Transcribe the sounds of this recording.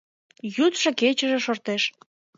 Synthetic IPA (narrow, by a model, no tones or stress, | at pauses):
jut̪ʃəket͡ɕəʒeʃort̪eʃ